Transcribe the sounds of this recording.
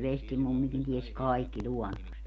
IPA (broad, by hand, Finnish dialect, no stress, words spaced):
ʋestimumːikin ties kɑikːi lʲuɔnːost